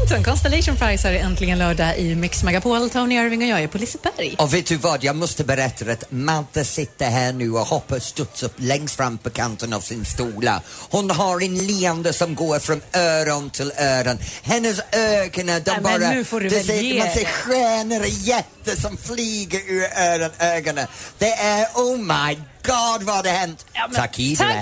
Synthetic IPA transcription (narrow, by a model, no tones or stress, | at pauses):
t̪nkʰɔnst̪əlɛʃənfaɪsaɾɛnt̪ʰlɪɡənlœːɖaʔɪmɪksmaɡapʰoːlt̪ʰaʊnɪœɾvɪŋɔjɑːɡæɾpʰɔlɪsəbæɾjɔveːt̪̚d̪ʉvɑːd̪jɑːmɔst̪əbəɾɛt̪ʰːaɾat̪mad̪əsɪt̪ːəɦæːɳʉːɔhɔpːəst̪ɵt̪sɵpːlɛŋst̪fɾamːpʰɔkʰant̪əna̰v̥sɪnstuːla̰hʊnɦaɾɛnliːand̪əsɔmɡoːɾfɾɔmœːɾɔntʰɪlˠɜːɾənhɛnəzœːɡənədambɔɾədəsemasɛxɹɛːnəɾəjɛtəsəmfliːɡəʔɪɹəːɾənɜːɡənəðɛɛowmajɡ̥ɔdvɔdəhɛnttʰakʰiːdɛ